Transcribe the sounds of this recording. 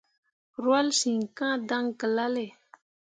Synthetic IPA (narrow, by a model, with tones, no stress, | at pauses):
ɾwa˦lsi˨ŋkã˦d̪a˦ŋkə˨la˦le˨